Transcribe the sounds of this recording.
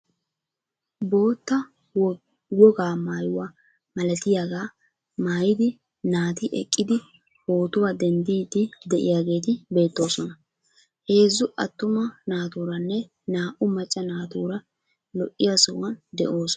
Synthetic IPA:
bo̞ːt̪ːɐ | wɔɡaːmaːjʊwaː | mɐlɐt̪ɪjaɡaː | maːjɪd̪ɪ | naːt̪ɪʔɛ̰kʼːɪd̪ɪ | bo̞ːt̪ʊwaːd̪ɛnd̪iːd̪ɪd̪ɛʔɪ̰jaːɡe̞ːt̪̬ɪbe̞ːt̪ːo̞ːsɔnɐ | he̞ːzːʊʔɐt̪ːʊmɐnaːt̪uːɾɐnːɛ | naːʔʊmɐt͡ʃʼːɐnaːt̪uːɾɐ | lɔʔːɪjasʊ̰wɐnd̪ɛ̰ʔo̞ːsɔ

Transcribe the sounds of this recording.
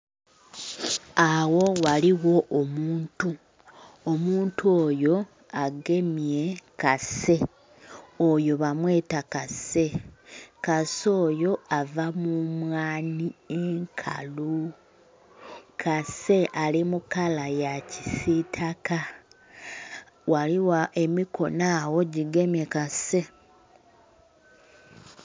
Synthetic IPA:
awo̞waliwo̞ʔomuːntu | omuːntuoːjo̞ | aɡe̞mje̞kase̞ | ojo̞βamwe̞ːtakase̞ | kaso̞ːjo̞avamumwaːnieŋkʰa̰lu | kʰase̞ʔalimukalajacisitʰaka | waliwaʔe̞mikʰo̞̰naːwo̞ɟiɡe̞mje̞kase̞

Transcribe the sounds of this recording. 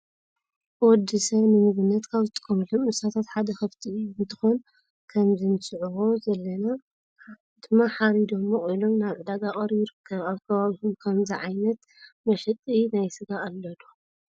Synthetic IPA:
wɔd̪ːɨsɐβnɨmɨβɨnːɐt̪kʰaβzɨt̪ʼɨ̥kʼːɐmɨlomɨsat̪ʰat̪ħad̪ɐxɐft̪ʰiɨjubɨt̪ʰɨ̥xon | kʰɐmzɨnɨsʼɨʕuwo̞zɐlːɐna | d̪̥ɨmːaħaɾid̪omːoχʼilo̞mnaβʕɨd̪aɡaχʼɐɾjɪɾɨkʰːɐβaβkʰɐβaβihumkʰɐmziʕajnɐt̪ | mɐʃɛt̪ʼinajsɨɡaːlːɐd̪u

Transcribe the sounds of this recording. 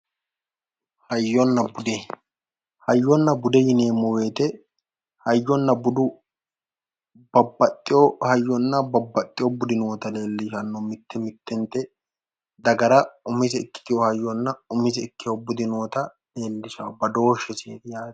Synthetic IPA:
hɐjːɔnːɐbʊd̪ɛ | hɐjːɔnːɐbʊd̪ɛjɪneːmːʊwe̞ːt̪ɛ | hɐjːɔnːɐbʊd̪ʊ | bɐbɐt̪ʼːɪjɔhɐjːɔnːɐbɐbːɐt̪ʼːɪjɔbʊd̪ɪnoːt̪ɐle̞ːlːɪʃɐnːɔmɪt̪ːɛmɪt̪ːɛnt̪ːɛ | d̪ɐɡɐɾɐʊmɪzɛɪkːɪ̥t̪ɪjɔhɐjːɔnːɐʊmɪzɛɪkːɪjɔbʊd̪ɪnoːt̪ɐ | le̞ːlːɪʃaːbɐd̪o̞ːʃːɛsḛːt̪ɪjaːt̪

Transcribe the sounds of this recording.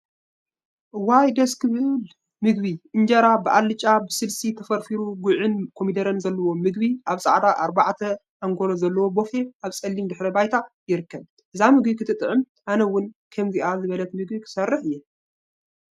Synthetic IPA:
wajd̪ɐskʰɨβɨl | mɨɡβiʔɨnd͡ʒɐɾabɨʔalːɨt͡ʃʼabɨsɨlsit̪ʰɐfɐɾfiɾuɡʕɨnkʰo̞mid̪ɐɾɐnzɐlːɐwo̞mɨɡ̚βiʔaβsʼa̰ʕd̪aʔaɾbaʕt̪ʰɐ | ʔaŋɡo̞lozɐlːɐwo̞bo̞fe̞ʔaβsʼɐlːimd̪ɨħɾɐbajt̪ʰajɪɾɨkːɐβ | ʔɨzamɨɡbikʰɨt̪ʰɨt̪ʼɨʕɨm | ʔanɐwʊnkʰɐmziʔazɨβɐlɐt̪mɨɡbikʰɨ̥sɐrːɨħɨjːɛ

